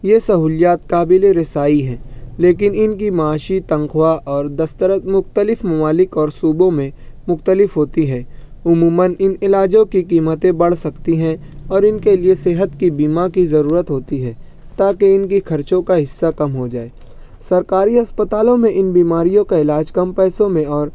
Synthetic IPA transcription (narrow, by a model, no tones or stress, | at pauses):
jesɐɦuːljaːt̪kaːbɪleɾɪsaːiɦɛ̃ːleːk̬ɪnɪnkimaːʃit̪ɐ̃ŋkʰwaʔɔːɾd̪ɐst̪əɾət̪mʊxt̪əlɪfmɐmaːlɪkɔːɾsuːbõmẽ | mʊxt̪əlɪfɦoːt̪iɦɛː | ʊmuːmənɪnɪlaːd͡ʒõkikiːmət̪ẽbɐɽ̤sɐkt̪iɦɛ̃ | ɔːɾɪnkelieseːɦət̪kibiːmakizɐɾuːɾət̪ɦoːt̪iɦɛː | t̪aːkeɪnkixʰɐɾt͡ʃõkaɦɪsːakɐmɦod͡ʒaːeː | sɐɾkaːɾiɐspət̪aːlõmẽʔɪnbiːmaːɾijõkaɪlaːd͡ʒkɐmpɛːsõmẽɔːɾ